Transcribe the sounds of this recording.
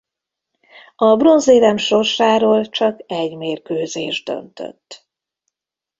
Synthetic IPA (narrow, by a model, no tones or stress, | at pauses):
ɒbro̞nzeːɾɛmʃo̞rʃaːɾoːlt͡ʃɒkɛɟmeːrkøːzeːʒd̪ø̰nt̪ø̰t̪ː